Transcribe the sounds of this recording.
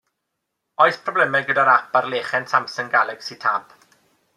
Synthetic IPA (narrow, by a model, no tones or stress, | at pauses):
ɔɨθpʰrɔblɛmɛɡədaɾapʰarleːχɛntʰamsəŋɡalˠɛɡ̥sitʰap